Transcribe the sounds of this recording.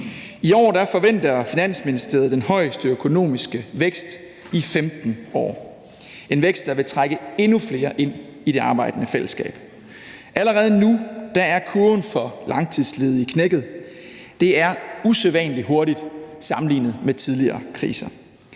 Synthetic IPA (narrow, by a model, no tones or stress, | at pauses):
iɒ̰ːd̥æfɒ̽ʋen̰d̥ɐfinæn̰sminisd̥e̝ɐð̞̩ˠd̥enhɒ̽ɪ̰sd̥əøkʰo̝no̝̰ːmisɡ̥əʋeɡ̥sd̥ | ifemd̥n̩ɒ̰ː | ʔe̝nʋeɡ̥sd̥ɑ̈ʋe̝t͡sʰʁaɡ̥əe̝nufle̝ːɐʔe̝n̰ | iɾe̝ɑ̈ːb̥ɑ̈ɪd̥ənəfel̰əsɡ̥ɛ̰ːb̥ | ʔæləʁɛːð̞ˠnud̥ɑ̈æɐkʰunfɒ̽lɑ̈ŋt͡sʰið̰ˠsleːð̞̩ˠikʰneɡ̥ð̩ˠ | d̥e̝æɐuseðˠʋɛnliɦo̝ɐɾid̥sɑ̈mn̩lḭːnð̩ˠmet͡sʰið̞ˠliɐːkʰʁḭːsɐ